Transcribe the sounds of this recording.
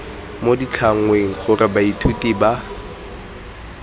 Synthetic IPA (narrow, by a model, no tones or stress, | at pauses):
modit͡ɬʰaŋ̩weŋ̩χʊrɪbaitʰutʼiba